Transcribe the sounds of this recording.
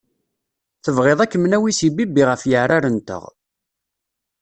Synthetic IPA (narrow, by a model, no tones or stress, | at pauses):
θəvʁeðˤækːəmnæwisibibiʁəfjəʕɾaɾənt̪ə̰ʁ